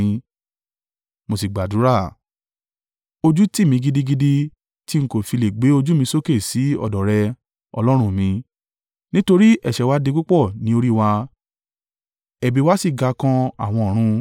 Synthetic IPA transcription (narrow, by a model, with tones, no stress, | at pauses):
mo˧si˨ɡ͡ba˨du˨˦ɾa˦˨ | o˧d͡ʒu˦ti˦˨mĩ˧ɡi˧di˧ɡi˧di˧ | ti˦ŋ̩˦ko˦˨fi˧le˨ɡ͡be˨˦o˧d͡ʒu˦mĩ˧so˦ke˦˨si˨˦ɔ̰˦˨dɔ˨ɾɛ˧ | ɔ̰˧lɔ˦ɾ̃ũ˦mĩ˧ | nĩ˦to˧ɾi˦ʔɛ̰˨ʃɛ˨wa˨˦de˧k͡pu˦k͡pɔ˦˨nĩ˨˦o˧ɾi˦wa˧ | ɛ˨bi˧wa˦si˦˨ɡa˧˦kã˧a̰˦˨w̃ɔ̃˧ɔ˨ɾ̃ũ˧